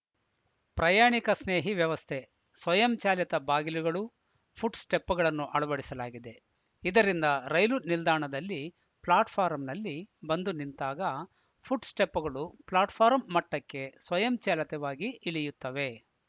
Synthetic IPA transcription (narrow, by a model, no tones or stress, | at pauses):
pɾɐjaːɳikɐsneːɦiʋjɐʋɐst̪ʰe | sʋɐjɐmt͡ʃaːlɐt̪ɐbaːɡiluɡɐɭu | pʰuɖsʈepːuɡɐɭɐnːuʔɐɭɐʋɐɽisɐlaːɡid̪e̞ | id̪ɐɾind̪ɐɾɐjlunild̪aːɳɐd̪ɐlːi | plaːʈpʰaːɾmnɐlːibɐnd̪unint̪aːɡɐ | pʰuɖsʈepːuɡɐɭuplaːʈpʰaːɾmːɐʈːɐkːe̞sʋɐjɐmt͡ʃɛːlɐt̪ɛʋaːɡiiɭijut̪ːɐʋe̞